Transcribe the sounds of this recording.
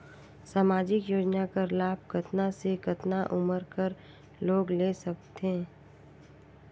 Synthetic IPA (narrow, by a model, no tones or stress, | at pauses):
saːmaːd͡ʒɪkjoːd͡ʒnakəɾlaːb̚kɐt̪nasekɐt̪naʔʊməɾkəɾ | loːɡleːsɐk̚t̪ẽ